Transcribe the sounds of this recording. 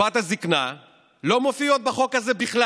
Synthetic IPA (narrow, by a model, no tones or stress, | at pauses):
at̪hazikna | lo̞mofio̞t̪̚beχo̞kazebiχla